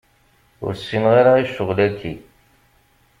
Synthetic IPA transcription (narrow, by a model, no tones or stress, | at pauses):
ʊ̰ɾsːinʁiɾaiʃːəʁlækːi